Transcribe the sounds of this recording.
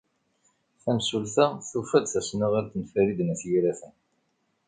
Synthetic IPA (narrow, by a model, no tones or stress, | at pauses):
θæmsulθæθufæd̪θæsnəʁaɾt̪nfæɾid̪næsjɾæθən